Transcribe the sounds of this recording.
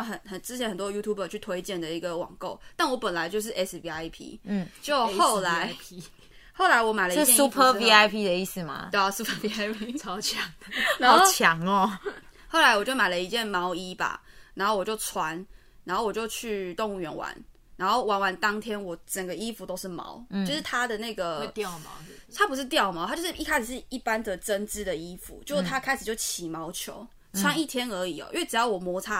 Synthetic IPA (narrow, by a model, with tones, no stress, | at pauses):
xə˨˩nxə˨˩nt͡sɻ̩˥t͡ɕʰjɛ˧˦nhə˨˩nt̪wɔ˦ju˥t̪ʰu˥˩bə˨˩t͡ɕʰy˥˩t̪ʰwe˧˥ɪt͡ɕjɛ˥˨˩nd̪ə˩i˧˥ɡə˨wɑ̰˨˩ŋko˥˩ʊt̪a˥˩nwɔ˧˦˥pə˨˩nla˧˦ɪt͡ɕjʊʂ̬̩˥˩ʔɛ˦˥svi˧a˧˥ɪpʰḭ˦n̩˥˩t͡ɕjo˥˧ʊxo˥˨ʊla˨˦ɪ | xo˥˩ʊla˨˧˦ɪwɔ˧˥ma˨˩ɪlə˩i˥˦ju˦˥pʰə˧˥˧vi˥a˥ɪpʰi˥d̪ə˨i˥˩s̩˨˩ma̰˩t̪e˥˧a˨˩su˧˥pʰə˧i˧˥a˥ɪpʰt͡sʰɑ˧˥ʊt͡ɕʰjɑ˨˩˦ŋdna˨˧˥t͡ɕʰjɑ˨˦ŋɔ˩xo˥˩ʊla˨˦ɪwɔ˨˩t͡ɕjo˥˩ʊma˨˩ɪlə˩i˧˥t͡ɕjɛ˥˩nmɑ˧˥ʊi˦ba̰˨˩na˨˧˥xo˥˩wɔ˨˩t͡ɕjo˥˩ʊt͡sʰwa˧˦n | na˧˥ŋxo˥˩ʊwɔ˨˩t͡ɕjo˥˧ʊt͡ɕʰy˥˧t̪o˥˧ŋu˥˩ɥɛ˧˥nwa̰˧˦n | na˧˥ŋxo˥˩ʊwa˧˥nwa˧˥nt̪ɑ˦˥ŋt̪ʰjɛ˥nwɔ˨˩ʈ͡ʂə˨˩ŋɡə˩i˦fu˨t̪o˥ʊʂɻ̩˥˩mɑ̰˧˥ʊt͡ɕo˥˧ʊʂɻ̩˥˩t̪ʰa˥d̪ə˨na˥˩ɪɡə˩t̪jɑ˥˨˩ʊma̰˨t̪ʰa˥pu˧˥ʂ̬ɻ̩˥˧t̪jɑ˥˩ʊma˨t̪ʰa˥t͡ɕo˥˧ʊʂɻ̩˥˩i˥˧kʰa˥ɪʂ̩˨˩ʂɻ̩˥˩i˥˩pa˦nd̪ə˨ʈ͡ʂə˦nt͡sɻ̩˥˩d̪ə˨i˦˥fṵ˨˦t͡ɕjo˥˧ʂ̩˥˩t̪ʰa˥kʰa˥ɪʂ̩˨˩t͡ɕjo˥˩ʊt͡ɕʰi˨˩mɑ˧˥ʊt͡ɕʰjo̰˧˦ʊ | t͡sʰwa˥˧˦ni˥˩t̪ʰjɛ˥nə˧˥i˨˩ɔ̰˩ʔḭ˥we˥˩ʈ͡ʂɻ̩˨˧jɑ˥˩ʊwɔ˨˩mwɔ˧˥t͡sʰa˦˥